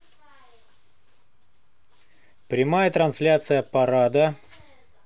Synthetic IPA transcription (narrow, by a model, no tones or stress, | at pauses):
pɾʲɪmajət̪ɾɐnsʲlʲat̪sɨjəpɐɾad̪ə